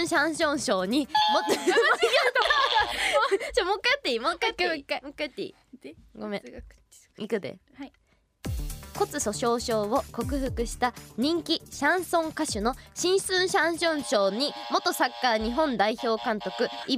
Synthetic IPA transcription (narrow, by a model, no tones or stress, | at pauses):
ɰ̃ɕãɰ̃ɕõ̞ɰ̃ɕo̞ːɲ̟imot̪ː | t͡ɕomokːat̪ːeimkːat̪kmokːat̪ːḭ | ɡomḛ̃ | ikɯd̪ḛ | ko̞t͡sɨso̞ɕo̞ːɕo̞ːβo̞ko̞kɯ̟ɸɯ̟kɯ̟ɕi̥t̪aɲ̟ĩŋkʲiɕãɰ̃sõ̞ŋkaɕɨno̞ɕĩɰ̃sɨ̃ɰ̃ɕãɰ̃ɕõ̞ɰ̃ɕo̞ːɲ̟imo̞t̪o̞sakːaːɲ̟iɦõ̞nd̪aiço̞ːkãnt̪o̞kɯ̟i